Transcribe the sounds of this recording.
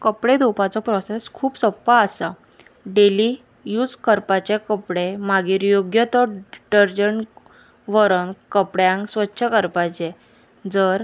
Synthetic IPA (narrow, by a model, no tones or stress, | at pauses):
kəpɽed̪ʱupat͡sɔpɾɔseskʰuːpsəpːaːsa | ɖeli | juːd͡zkəɾpat͡ɕekəpɽemaɡiːɾjoɡjət̪ɔɖəɾd͡ʑəɳ | ʋəɾənkəpɽjãŋksʋətːɕʰəkəɾpat͡ɕe | d͡zəɾ